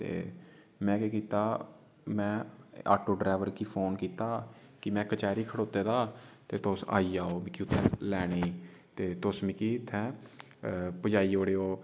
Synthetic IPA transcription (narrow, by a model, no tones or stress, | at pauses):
t̪ḛː | mɛ̃ːkeːkiːt̪aː | mɛ̃ːa̰ːʈoːɖɾaːʋəɾkiːpʰoːnkiːt̪aːkɪmɛ̃ːkət͡ʃɛːɾiːkʰəɽoːt̪eːd̪aːt̪eːt̪osa̰ːiːaːoːmɪkiːʊt̪ʰːɛ̃ːlɛːɽ̃eːiːt̪eːt̪osmɪkiːt̪ʰːɛ̃ː | pəd͡ʒaːiːoːɽeːoː